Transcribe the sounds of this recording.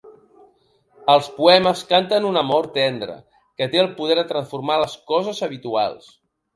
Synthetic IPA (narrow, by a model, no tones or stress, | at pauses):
əlˠspuɛməskant̪ənunəmɔɾt̪ɛnd̪ɾə̰ | kət̪eəlˠpuð̞ɛɾðət̪ɾənsfuɾmaləskɔzəzəβ̞it̪ua̰lˠs